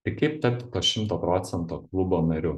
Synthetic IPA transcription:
ɪɾkɐɪp̚t̪ʲɐp̚ʲt̪ʲt̪oːʃʲɪmt̪oːpɾɔːt̪sʲɛnt̪oːklˠʊboːnɐɾʲʊ

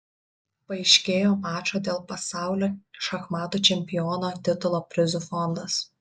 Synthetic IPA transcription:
pɐɪʃʲkʲeːjoːmɑːt͡ʃʲoːd̪ʲeːlˠpɐsɑˑʊlʲoːʃɐxmɑːt̪uːt͡ʃʲɛmʲpʲɪjɔːnoːt̪ʲɪt̪ʊlˠoːpʲɾʲɪzʊfɔnd̪ɐs

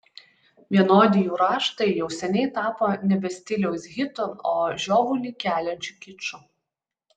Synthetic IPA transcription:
ʋʲiɛnoːd̪ʲɪjuːɾɑːʃt̪ɐɪjɛʊsʲɛnʲɛɪt̪ɑːpoːnʲɛbʲɛsʲt̪ʲɪlʲɛʊsɣʲɪt̪onoːʒʲoːʋulʲiːˑkʲæːlʲɛnʲt͡ʃʲuˑkʲɪt͡ʃʊ

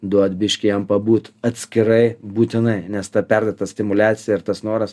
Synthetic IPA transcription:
d̪uɔt̪bʲɪʃʲkʲɪjɛmpɐbuːt̪ɐt̪ʲsʲkʲɪɾɐɪbuːt̪ʲɪnɐɪnʲɛst̪ɐpʲɛrd̪ʲɐt̪ɐsʲt̪ʲɪmʊlʲæːt̪sʲɪjɛɪɾt̪ɐsnoːɾɐs

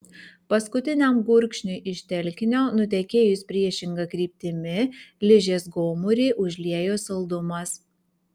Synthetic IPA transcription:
pɐskʊt̪ʲɪnʲɛmɡʊɾʲkʃʲnʲʊɪʔɪʃʲt̪ʲɛlʲkʲɪnʲoːnʊt̪ʲɛkʲeːjʊsʲpʲɾʲiɛʃʲɪŋɡɐkɾʲiːpʲt̪ʲɪmʲɪlʲɪʒʲeːsɡoːmʊɾʲiːʔʊʒʲlʲiɛjoːsɐlˠd̪ʊmɐs

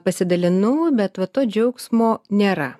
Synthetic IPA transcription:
pɐsʲɪd̪ɐlʲɪnʊʋʊbʲɛt̪ʋɐt̪oːd͡ʒʲɛʊksmoːnʲeːɾɐ

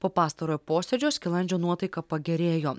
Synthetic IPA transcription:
poːpɑːst̪ɐɾoːjpoːsʲɛd͡ʒʲoːskʲɪlˠɐnʲd͡ʒʲoːnuɔt̪ɐɪkɐpɐɡʲɛɾʲeːjoː

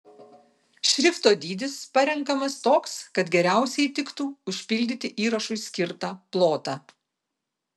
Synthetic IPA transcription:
ʃʲɾʲɪft̪oːd̪ʲiːd̪ʲɪspɐɾʲɛŋˑkɐmɐst̪oːkskɐt̪ɡʲɛɾʲæˑʊsʲɛɪt̪ʲɪkt̪uːʊʃʲpʲɪlʲd̪ʲɪt̪ʲɪʔiːɾɐʃʊɪsʲkʲɪɾt̪ɑplˠoːt̪ɑː

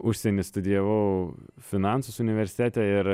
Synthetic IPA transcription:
ʊʃʲsʲɛnʲɪst̪ʊd̪ʲɪjɛʋɐʊfʲɪnɑˑnsʊsʊnʲɪʋʲɛɾʲsʲɪ̥t̪ʲæːt̪ʲɛɪɾ

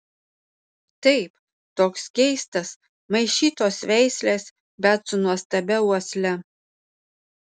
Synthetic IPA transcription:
t̪ɐɪp | t̪oːksɡʲɛɪst̪ɐs | mɐɪʃʲiːt̪oːsʋʲɛɪsʲlʲeːs | bʲɛt̪sʊnuɔst̪ɐbʲɛuɔsʲlʲɛ

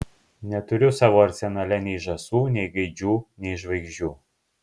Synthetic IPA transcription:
nʲɛt̪ʊɾʲʊsɑːʋoːɐɾʲt̪sʲɛnɐlʲɛnʲɛɪʒɐsuːnʲɛɪɡɐɪd͡ʒʲuːnʲɛɪʒʋɐɪɡʒʲuː

